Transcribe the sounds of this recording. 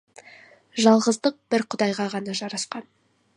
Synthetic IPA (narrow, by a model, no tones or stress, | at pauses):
ʒɑlˠʁəzd̪əq̚bɪɾqʰʊd̪ɑjʁɑʁɑnɑʒɑɾɑsqɑn